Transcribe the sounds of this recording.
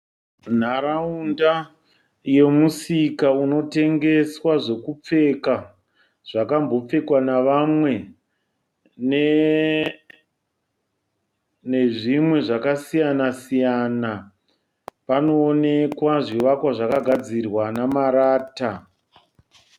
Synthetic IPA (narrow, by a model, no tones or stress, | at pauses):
n̤aɾaunda | je̞musikauno̞te̞ŋɡe̞swaʐe̞kup͡fe̞ka | ʐ̥akambo̞p͡fe̞kwanaʋamwe̞ | ne | ne̞ʐimwe̞ʐakasijanasijana | pano̞ːne̞kwaʐiʋakwaʐakaɡʱad͡zirwanamaɾaːta